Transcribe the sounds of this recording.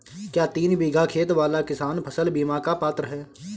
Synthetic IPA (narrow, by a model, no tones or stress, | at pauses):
kjaːt̪iːnbiːɡakʰeːt̪ʋaːlakɪsaːnpʰəsəlbiːmakapaːt̪ɾəɦɛː